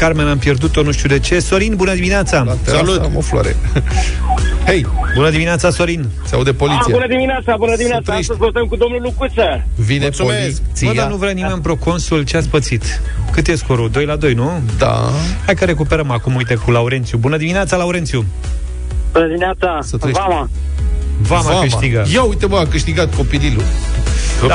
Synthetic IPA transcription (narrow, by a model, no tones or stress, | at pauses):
karmenampje̞rd̪ut̪o̞nuʃt̪iud̪e̞t͡ʃe̞so̞ɾinbunəd̪imineat̪sasaluofloa̰ɾḛ | hejbunəd̪imineat̪saso̞ɾin | t̪saud̪epoliijbunəd̪imineat̪sabunəd̪iminast̪aejʃəpolut̪əmkud̪o̞mnulukut̪səvineolisd̪anuvɾanimenmpɾo̞ko̞nsult͡ʃeat̪s̬pət̪sit̪kɨt̪jeskoɾud̪o̞jlad̪o̞jnud̪a̰hajkəɾe̞k̬upeɾəmakumujt̪ekulauɾe̞nt̪sjubunəd̪imineat̪salauɾet̪sʲju | bunəd̪imineat̪sasət̪ɾeama | vamaakɨʃt̪iɡəjawujt̪eməakɨʃt̪iɡat̪̚ko̞pililṵ